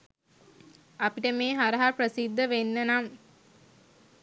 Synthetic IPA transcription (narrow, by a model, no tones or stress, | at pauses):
apiʈəmeːɦaɾəɦaprəsid̪ʱːəʋenːənam